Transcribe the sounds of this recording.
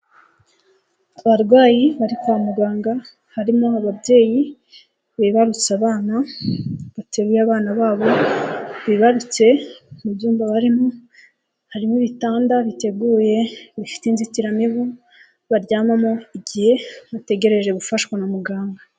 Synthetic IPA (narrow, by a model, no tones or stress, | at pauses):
aβaɾɡwaːjiβaɾikoamuɡaːŋɡa | haɾimoaβabje̞ːji | βiβaɾut͡saβaːna | βate̞ɡujaβaːnaβaːβo̞βiβaɾut͡se̞mubjuːmbaβaɾimo̞ | haɾimoβitaːndaβite̞ɡuːje̞βifi̥teinzitiɾamiβu | βaɾɟaːmamo̞iɡihe̞βate̞ɡe̞ɾe̞ʒe̞ɡufaʃkwanamuɡaːŋɡa